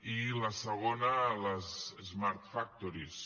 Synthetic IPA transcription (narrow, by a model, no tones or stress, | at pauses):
iləsəɣ̞onələzezmaɾt̪fak̚t̪oɾis